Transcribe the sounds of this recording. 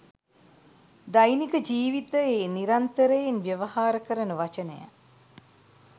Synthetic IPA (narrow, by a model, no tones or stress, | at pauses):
d̪ajnikəd͡ʒiːʋit̪əjeniɾant̪əɾəjenʋjəʋɐɦaːɾəkəɾənəʋat͡ʃənə̰ja̰